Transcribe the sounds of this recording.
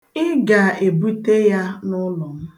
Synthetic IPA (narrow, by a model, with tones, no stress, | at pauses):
ɪ˦ɡa˨e˨bu˦te˦ja˦nʊ˦lɔ˨m̩˦